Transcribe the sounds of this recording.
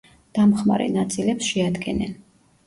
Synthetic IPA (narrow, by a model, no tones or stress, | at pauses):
d̪̥amχma̰ɾɛ̰nat̪sʼilɛpsʃɛad̪ɡɛnɛn